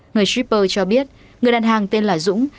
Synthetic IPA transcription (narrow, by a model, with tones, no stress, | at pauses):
ŋɨ˨˩əjswi˦˥p̚ːəː˧t͡ɕɔ˧ɓi˦˥ət̚ | ŋɨ˨˩əjɗaː˨nɦaː˨˩ŋt̪e˧nlaː˨˩zʊ̰˧˥ŋ͡m